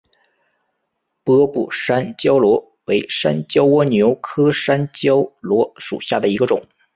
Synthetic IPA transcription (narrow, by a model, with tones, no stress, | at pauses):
pɤ˥pṵ˥˩ʂa˥nt͡ɕjɑ˥ʊlwɔ˧˥ | we˧˥ɪʂa˥nt͡ɕjɑ˥ʊwɔ˥njo˧˥ʊkʰɤ˥ʂa˥nt͡ɕjɑ˥ʊlwɔ˧˥ʂṵ˨˩ɕja˥˩d̪ə˩i˧˥ɡə˧ʈ͡ʂʊ̰˨˩˦ŋ